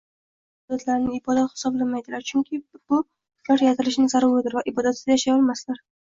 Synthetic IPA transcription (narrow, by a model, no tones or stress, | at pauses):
bɒd̪at̪ʰlaɾnɪɪbɒd̪at̪hɪ̥sɒblamajd̪ɪlaɾt͡ʃʰʊŋkʲʰɪb̥ʊ | kʰɒɾjat̪ʰɪlɪʃnɪzaɾʊɾɪd̪ɪɾvaʔɪbɒd̪at̪sɪzajaʃajɒlˠmaslaɾ